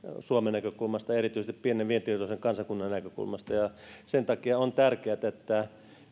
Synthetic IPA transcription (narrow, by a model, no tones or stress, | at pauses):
suomenækøkulmɑst̪ɑerit̪yist̪ipieneʋʋient̪irt̪oseŋkɑnsɑkunːɑnnækøkṵlmɑst̪ɑjɑsent̪ɑkiɑont̪ærkeæt̪æet̪ːæ